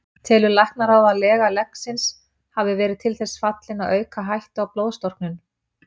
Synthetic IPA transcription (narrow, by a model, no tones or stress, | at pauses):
t̪ʰɛːlʏlajhknaɾawðaðlɛːɣalɛksɪns | havðɪvɛːɾɪðt̪ʰɪlθɛsːfat̪lɪnaðœːɥkaɦajht̪awploːwðst̪ɔr̥knʏn